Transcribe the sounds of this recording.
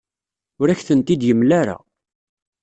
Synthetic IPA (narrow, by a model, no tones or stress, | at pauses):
ʊɾæçθənt̪id̪jəmlaɾa̰